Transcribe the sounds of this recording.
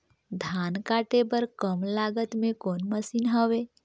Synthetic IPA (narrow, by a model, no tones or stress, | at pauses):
d̪ʱankaʈebəɾkəmlaɡət̪mẽkoːnməsiːnɦəʋe